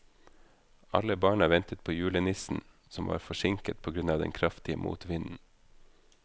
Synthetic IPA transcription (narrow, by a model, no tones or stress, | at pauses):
ʔɑ̰ləbɑːɳɑʋɛnt̪ət̪̚pʰoːjʉːlənɪsn̩ | sɔmʋɑ̰ːɾfɔʃɪŋkət̪̚pʰoːɡɾʉnɑːʋd̪ɛ̰nkʰɾɑft̪ɪə̰mʔṵːt̪ʋɪnn̩